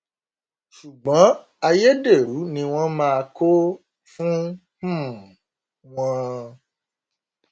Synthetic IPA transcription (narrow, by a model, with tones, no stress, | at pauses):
ʃu˨ɡ͡bã˨˦ | a˨je˦ɖe˨ɾu˨˦nĩ˨w̃ɔ̃˦mã˦˧˨ko˦ | fũ˦ | h̩˦m˨ | w̃ɔ̃˦